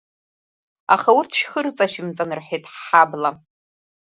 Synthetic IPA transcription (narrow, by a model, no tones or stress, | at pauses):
a̰χawʊrtʰʃχərt͡sʼaʃɪmt͡sʼanɨrħʷejtʼħħabla